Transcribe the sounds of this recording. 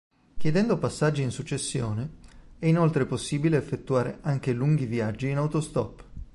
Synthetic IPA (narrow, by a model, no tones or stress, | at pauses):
kjed̪ɛnd̪opasːad͡ʒːiːnsut͡ʃːesːjoːneɛinolt̪ɾeposːiːbileːfːet̪ːuaːɾḛʔaŋk̟eluŋɡiviad͡ʒːiːnawt̪ost̪ɔpː